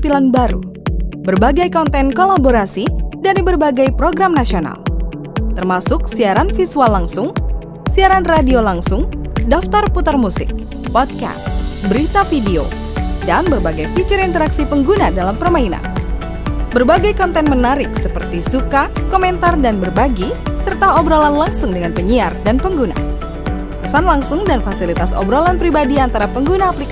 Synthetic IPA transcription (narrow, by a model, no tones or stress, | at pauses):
pilanbaɾṵbərbaɡajkɔnt̪ɛnkolaboɾasidaɾibərbaɡajpɾoɡɾamnasiona̰l | t̪ərmasʊksiaɾanfisualːaŋsʊŋ | siaɾanradiolaŋsʊŋdaft̪arput̪armusɪ̰k̚ | pɔd̪̚ka̰sbəɾit̪afideo̰ | danbərbaɡajfit͡ʃʊɾint̪əɾaksipəŋɡunadalampərmaina̰n | bərbaɡajkɔnt̪ɛnmənaɾɪksəpərt̪isukakomɛnt̪ardanbərbaɡisərt̪aɔbɾolanlaŋsʊŋdəŋanpəɲiardanpəŋɡuna̰ | pəsanlaŋsʊŋdanfasilit̪asɔ̰bɾolanpɾibadiant̪aɾapəŋɡunaːplik